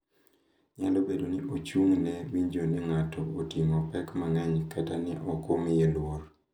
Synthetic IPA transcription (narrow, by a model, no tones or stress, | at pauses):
ɲalobedonɪot͡ʃuŋnɛwiɲd͡ʒonɪŋatɔotiŋɔpɛkmaŋɛɲkatanɪʔɔkomɪjelwor